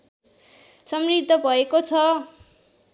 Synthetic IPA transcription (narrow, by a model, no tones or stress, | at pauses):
sʌmrid̪ʱːʌbʱʌekot͡sʰʌ